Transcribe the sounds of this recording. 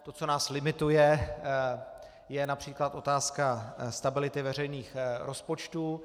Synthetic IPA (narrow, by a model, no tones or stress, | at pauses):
t̪o̞t͡so̞naːslɪmɪt̪ujɛ | jɛnapr̝̥iːklat̪ʔo̞t̪aːskast̪abɪlɪt̪ɪvɛr̝ɛjniːxɾʔo̞spo̞t͡ʃt̪uː